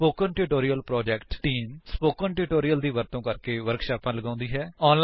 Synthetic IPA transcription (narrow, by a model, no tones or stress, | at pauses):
poːkənʈuʈoːɾijəlpɾɔːd͡ʒɛkʈʈiːmspoːkənʈuʈoːɾijəld̪iːʋəɾt̪õːkəɾkeːʋəɾkʃaːpãːləɡãːʊ̃nd̪iːɦɛːɔːnl